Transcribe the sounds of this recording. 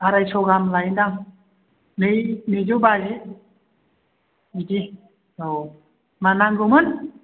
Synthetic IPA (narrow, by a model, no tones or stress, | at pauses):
aɾajsɔɡamlajndaŋ | mejnid͡ʒuwbazi | idi | o | manaŋɡumɯn